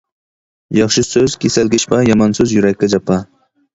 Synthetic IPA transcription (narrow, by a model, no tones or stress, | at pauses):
jɑχʃɪsøzkʲʰesalɡʲɪʃpɑjɑmɑnsɵzjuɾakʲːad͡ʒɑpːɑ